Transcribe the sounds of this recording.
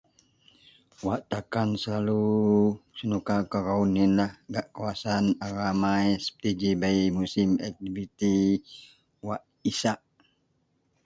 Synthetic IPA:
waʔt̪akansəlalu | sənukakəɾauninlahɡaʔkawasanaɾamajsə̥pə̥t̪id͡ʒibaimusimɛ̰k̚t̪ibit̪i | waʔ | isaʔ

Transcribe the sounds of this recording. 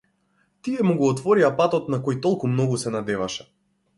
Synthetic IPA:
t̪iɛmuɡɔːt̪vɔɾiapat̪ɔt̪̚nakojt̪ɔlˠkumnɔɡusɛnad̪ɛvaʃɛ̥

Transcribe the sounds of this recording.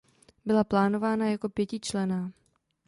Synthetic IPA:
bɪlaplaːno̞vaːnajako̞pjɛcɪt͡ʃlɛnaː

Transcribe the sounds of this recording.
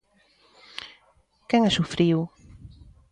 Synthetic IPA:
kɛŋasufɾiw

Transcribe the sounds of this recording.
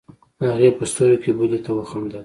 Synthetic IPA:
aɣepəst̪oɾokebulet̪awəxamd̪a

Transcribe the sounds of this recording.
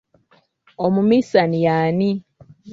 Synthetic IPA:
omumisanijaːni

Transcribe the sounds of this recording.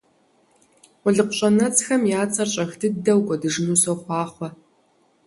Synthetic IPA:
ʊɮɨqʷʊɕʼɐnɐt͡sxɐmjaːt͡sʼɐrɕʼɐxdʰɨdɐwkʷʼɔdɨʒnuːsoχʷɑːχʷɔ

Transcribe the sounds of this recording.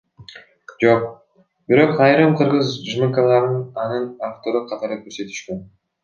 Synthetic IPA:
d͡ʒo̞q̚ | b̥iɾo̞qɑjɾɯmqʰɯɾʁɯzʒmikalˠɑɾɯnɑnɯnaft̪o̞ɾuqʰɑt̪ɑɾɯkɵɾse̞t̪y̥ʃkøn

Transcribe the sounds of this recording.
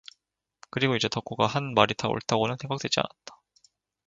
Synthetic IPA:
kɯɾiɡoid͡ʑe̞tʌk͈ʰuɡahanmaɾitʰao̰ɭtʰaɡonɯnsʰe̞ŋɡak̚t͈we̞d͡ʑia̰nat̚t͈ḁ

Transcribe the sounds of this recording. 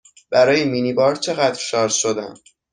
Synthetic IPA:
b̥æɾɒːjemiːnibɒːɾt͡ʃʰe̞ɣæd̪ɾʃɒːɾsʃod̪æ̰m

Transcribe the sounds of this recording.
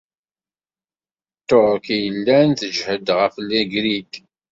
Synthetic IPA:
t̪ːoʁkijəlːænθəd͡ʒhəd̪ʁəflːiɡɾid̪

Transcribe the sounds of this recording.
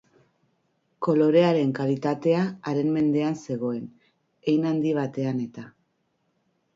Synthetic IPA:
ko̞lo̞ɾe̞aɾe̞ŋkalit̪at̪e̞aːɾe̞nme̞nd̪e̞anse̞ɣ̞o̞e̞n | ejnand̪iβ̞at̪e̞ane̞t̪a

